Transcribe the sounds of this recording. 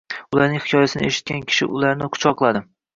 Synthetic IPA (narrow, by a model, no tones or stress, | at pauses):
ʊlaɾnɪŋhɪkʰʲɒjasɪnɪeʃɪt̪̚kʲankʲʰɪ̥ʃɪ̰ʔʊ̰laɾnɪqʰʊ̥t͡ʃʰɒqlˠad̪ɪ